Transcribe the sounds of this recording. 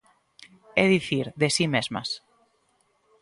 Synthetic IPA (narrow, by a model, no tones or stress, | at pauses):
eðiθiɾðesimezma̰s